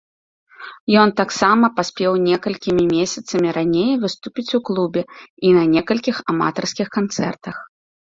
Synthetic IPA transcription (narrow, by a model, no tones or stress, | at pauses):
jɔnt̪aksamɐpasʲpʲɛwnʲɛkɐlʲkʲimʲimʲesʲɐt̪sɐmʲiɾanʲejvɨst̪upʲit͡sʲuklˠubʲɛinɐnʲɛkɐlʲkʲixama̰t̪ɐrskʲixkant̪sɛ̰rt̪ɐx